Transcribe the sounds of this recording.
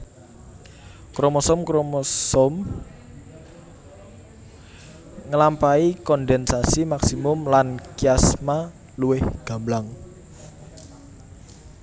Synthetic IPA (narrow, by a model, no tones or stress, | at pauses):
kɾɔmɔsɔmkɾɔmɔsɔm | ŋəlampaikɔndɛnsasimaksimʊmlankiasma | luwɪhɡ̥a̤mblaŋ